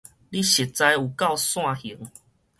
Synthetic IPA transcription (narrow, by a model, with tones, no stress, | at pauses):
li˦ɕi˨˩t̚t͡sa˧ju˨˩ka˥˧˨ʊsw̃ã˥˧hi˨˩˦ŋ